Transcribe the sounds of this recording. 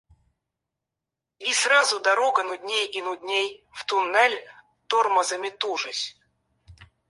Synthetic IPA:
israzʊd̪ɐɾoɡənʊd̪ʲnʲejinʊd̪ʲnʲejft̪ʊnːɛlʲ | t̪orməzəmʲɪt̪uʐɨsʲ

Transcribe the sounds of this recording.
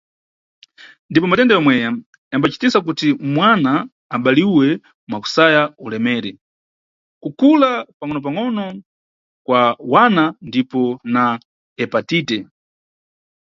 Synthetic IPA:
ndipɔmatɛndɛjɔmwɛja | jambat͡ʃi̥tisak̬utimwanaː | ɓaliwɛ | mwaku̥sajaulɛmɛːɾɛ | kukʰulapaŋɔnɔp̬aŋɔnɔ | kwawanandipɔna | ɛpatiːtɛ

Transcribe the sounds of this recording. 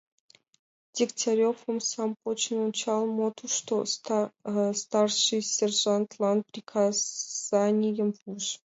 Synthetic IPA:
dʲiktʲaɾʲofə̆msampot͡ɕnunt͡ɕɑlˠmot̪ʰuʂt̪o | st̪arʂɨjsʲerʐant̪lˠɑnprʲikʰaz̥anʲɪjəmvuʐ

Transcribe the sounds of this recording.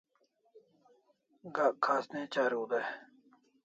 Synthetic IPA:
ɡakʰaːsnẽːt͡ɕaːɾuːd̪e

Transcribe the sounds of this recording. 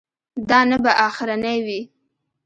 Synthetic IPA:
d̪ɑnabaʔɑxɪɾanajwi

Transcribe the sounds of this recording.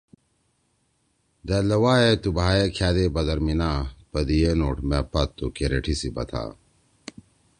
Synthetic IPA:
d̪ɐlɐwaːet̪ubʱaːjekʰjaːd̪ebɐd̪ɐɾminaːpɐd̪ijenoːʈmepɐt̪ːukeɾeʈʰisibɐ̰t̪ʰa̰ː

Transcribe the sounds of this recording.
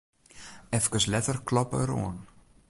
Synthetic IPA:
ɛfkəslɛtərklɔpəɾo̰ən

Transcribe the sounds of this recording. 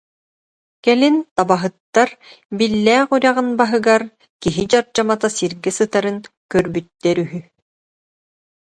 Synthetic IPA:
kɛlint̪abaɦɯt̪ːaɾ | bilːɛːχuɾʲaʁɯnbaɦɯɡaɾ | kiɦid͡ʑaɾd͡ʑamat̪asiɾɡɛsɯt̪aɾɯnkœɾbyt̪ːɛɾyɦy

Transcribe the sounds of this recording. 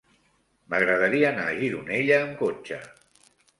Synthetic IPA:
məɣɾəð̞əɾiaːnaʒiðuneʎəːmkot͡ʃə

